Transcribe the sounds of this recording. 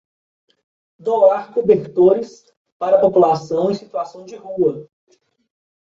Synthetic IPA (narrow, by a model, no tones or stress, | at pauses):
d̪oaɾkubeɾt̪oɾɪs | paɾɐpopulasɐ̃w̃ẽsit̪uasɐ̃w̃d͡ʒɪɦuɐ